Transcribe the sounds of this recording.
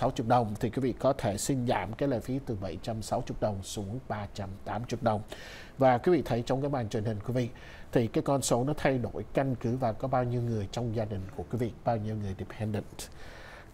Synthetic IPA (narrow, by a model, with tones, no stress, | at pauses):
sa˨˦wt͡ɕʊ˨˩ɗə˨˩wŋ͡mt̪ʰi˨˩kwi˨˦vḭ˧˨kɔ˨˦t̪ʰe˧˩si˧nza̰ː˧˩mkaː˨˦jlə̰ː˧˨˩fi˨˦t̪ɨ˨˩ɓə˧˩jt͡ɕa˧msa˨˦wt͡ɕʊ˨˩k͡p̚ɗə˨˩wŋ͡msu˨˦əŋɓaː˧t͡ɕa˧mt̪aː˨˦mt͡ɕʊ˨˩k͡p̚ɗə˨˩wŋ͡m | vaː˨˩kwi˨˦vḭ˧˨t̪ʰə˨˦jt͡ɕɔ˧ŋ͡mkaː˨˦˥ɓaː˨˩nt͡ɕwi˨˩nhï˨˩ŋ̟kwi˨˦vḭ˧˨ | t̪ʰi˨˩kaː˨˦jkɔ˧nso˨˦nɔ˨˦t̪ʰa˧jɗo˧˩jka˧ŋ̟kɨ˨˦vaː˨˩kɔ˨˦ɓaː˧wɲi˧əwŋɨ˨˩əjt͡ɕɔ˧wŋ͡mzaː˧ɗï˨˩ŋ̟ku˧˩əkwi˨˦vḭ˧˨ɓaː˧wɲi˧əwŋɨ˨˩əjɗi˨˩pʰɛ˧nɗə̰˧˨nŋ